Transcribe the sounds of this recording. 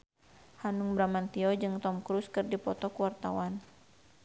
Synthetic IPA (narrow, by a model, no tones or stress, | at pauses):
hanuŋbɾamant̪iɔd͡ʒɨŋt̪ɔmkɾuskɨrdipɔt̪ɔkuwart̪a̰wan